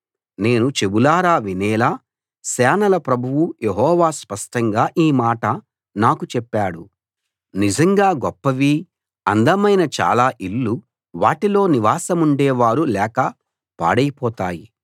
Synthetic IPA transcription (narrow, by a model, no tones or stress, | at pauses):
ne̞ːnut͡ʃe̞bulaːɾaːʋinɛːlaː | sɛːnɐlɐpɾɐbʱuʋujeɦɔːʋaːspɐʂʈɐŋɡaːʔiːmaːʈɐ | naːkut͡ʃɛpːaːɽu | nid͡ʒɐŋɡaːɡɔpːɐʋiː | ɐ̰nd̪ɐmɐjnɐt͡ʃa̰ːlaːʔilːu | ʋaːʈilo̞ːniʋaːsɐmuɳɖɛːʋaːɾulɛːkɐ | pa̰ːɽɐjipɔːt̪aːjḭ